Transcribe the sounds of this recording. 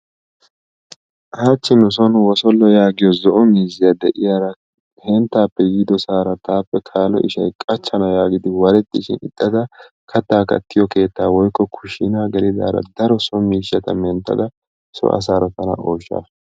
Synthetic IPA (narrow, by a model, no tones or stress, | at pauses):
ʔaːt͡ʃːɪnʊs̬ɔnwɔsɔlːɔjaːɡɪjɔzɔʔɔmiːzɪjɐd̪ɛʔɪjaɾɐ | hɛnt̪ːaːpːɛjɪd̪ɔsaːɾɐt̪aːpːɛkʰaːlɔ̰ʔɪʃɐjkʼɐt͡ʃːɐnɐjaːɡɪd̪ɪwɐɾɛt̪ːɪʃɪnɪ̰t̪ʼːɐd̪ɐ | kʰɐt̪ːaːkɐ̰t̪ːɪjɔke̞ːt̪ːaːwɔjkːɔkʰʊʃɪnaːɡɐlɪd̪a̰ːɾɐ̰d̪ɐɾɔsɔmiːʃːɐt̪ɐmɛnt̪ːɐ̰d̪ɐ | sɔ̰ʔɐ̰s̬aːɾɐt̪ɐnɐ̰ʔoːʃːa̰ː